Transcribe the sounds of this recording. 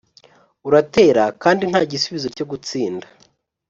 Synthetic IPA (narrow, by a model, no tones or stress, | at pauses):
uɾate̞ːɾakaːndin̥haːɟisuβizo̞co̞ɡut͡siːnda